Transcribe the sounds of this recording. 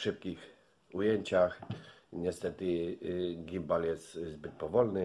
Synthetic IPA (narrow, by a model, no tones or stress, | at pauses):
ʂɘp̚kʲix | ujeɲt͡ɕax | ɲɛst̪ɛt̪ɘ | ɡʲimbaljɛst̪zbɘt̪̚pɔvɔlnɘ